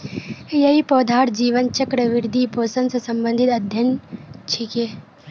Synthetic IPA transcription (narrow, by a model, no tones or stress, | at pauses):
jɐɦipɔːd̪ʱaːʈd͡ʒiːʋənt͡ʃɐkɾəʋɪɾd̪ʱipoːsənsesɐ̃mbə̃nd̪ʱɪt̪ɐd̪ʱjɐnt͡ʃʰiːkeː